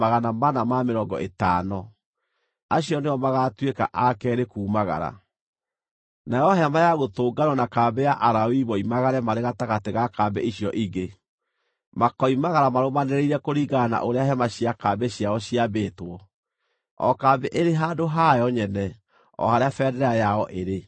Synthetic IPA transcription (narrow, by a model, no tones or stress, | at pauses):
aɣanamanamameɾɔɡɔ̰ʔetaːnɔ | aɕijɔneɔmaɣaːtweka̰ʔakɛːɾekuːmaɣa̰ɾa̰ | najɔɦɛmajaɣotoːɡanɔnakaːbɛjaʔaɾawiβɔimaɣaɾɛmaɾeɣataɣateɣakaːbɛ̰iɕjɔʔiɡe | makɔimaɣaɾamaɾomanɛɾeiɾɛkoɾiːɡana̰ʔoɾeaɦɛmaɕiakaːbɛɕiaɔɕiabeːtwɔ | ɔ̰kaːbeʔeɾeɦadoɦajɔɲɛnɛ | ɔ̰haɾeafɛdɛɾɛajaɔʔeɾe